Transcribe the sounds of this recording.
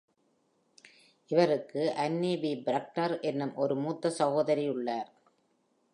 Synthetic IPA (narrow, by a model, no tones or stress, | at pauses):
ʔɪʋɐɾɯkːɯʔɐnːiːbibɾɐk̚ʈɐɾʔɛnːɯmʔɔɾɯmuːt̪ːɐsɐɣoːðɐɾiʊɭːaːɾ